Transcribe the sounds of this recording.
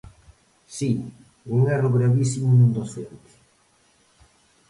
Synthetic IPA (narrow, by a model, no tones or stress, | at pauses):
si | uŋɛrʊɣɾaβisimʊnũnd̪osent̪ɪ̥